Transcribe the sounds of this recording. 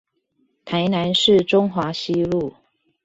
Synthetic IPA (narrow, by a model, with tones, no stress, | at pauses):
t̪ʰa˨˦ɪna˧˦nʂɻ̩˥˨ʈ͡ʂʊ˥ŋxwa˧˥ɕi˦lu˥˨